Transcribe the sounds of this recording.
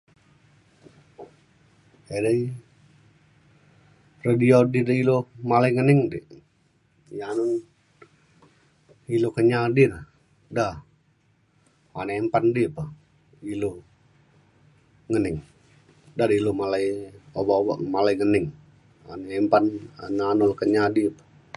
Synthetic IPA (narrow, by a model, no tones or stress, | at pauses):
edə | rədiodidəilomalaiŋənɪŋdiʔ | janun | ilokəɲadina | da | a̰nɛmpandipa | ilo | ŋənɪŋ | dadəilomalaijobaoba̰ʔmalaiŋənɪŋ | a̰nɛmpana̰nanɔlkəɲadipḁ